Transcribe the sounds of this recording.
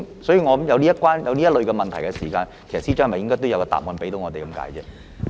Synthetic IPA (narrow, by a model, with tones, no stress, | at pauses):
sɔː˨˥jiː˨˧ŋɔː˨˧˥jɐ˨˧wliː˥ɐ˥t̚kwaː˥njɐ˨˧wliː˥ɐ˥t̚lɵ˨ɥkɛː˧mɐ˨nt̪ʰjkɛ˧siː˨˩kaː˧nkʰe˨˩jsɐ˨tsiː˥t͡ʃːhmɐ˨jɪ˥ŋkɔː˥jt̪wjɐ˨˧wkɛ˧t̪a̰ː˨p̚mɔː˨˧npe˨˥jt̪o˨˥wŋɔː˨˧e˨jkɐ˨˧˥mka̰ː˨˥jt͡sɛ̰ː˧˥